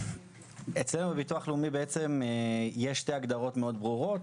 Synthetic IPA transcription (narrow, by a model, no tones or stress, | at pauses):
e̞t͡sle̞nubebituaχleumibeet͡se̞mjeʃːte̞aɡd̪aʁo̞tme̞o̞d̪bʁuʁo̞t